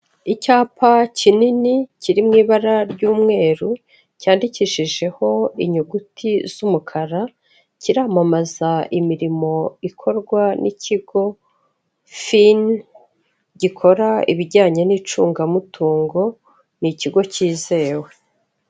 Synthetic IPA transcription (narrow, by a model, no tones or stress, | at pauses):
icaːpʰacininicʰiɾimŋiːβaɾaɾɟuːmŋe̞ːɾu | caːndiciʃiʒe̞ho̞iɲuɡutʰiz̥umukʰaɾa | ciɾamamazaimiɾimo̞ikʰo̞ɾɡwanʔicʰiɡo̞ | fin | ɟikʰo̞ɾaḭβiɟaːɲenit͡ʃuːŋɡamutuːŋɡo̞ | niciɡo̞ciːze̞ːwe̞